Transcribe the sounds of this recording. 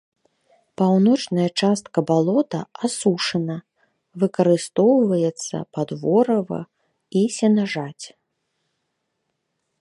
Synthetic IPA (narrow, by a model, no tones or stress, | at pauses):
pawnɔt͡ʂnɐjɐt͡ʂast̪̚kɐbalˠɔt̪ɐasuʂɐnɐ | vɨkɐɾɨst̪ɔwvɐjɛt̪sːɐ̰pad̪vɔɾɐvɐ̰ | isʲɛnaʐat͡sʲ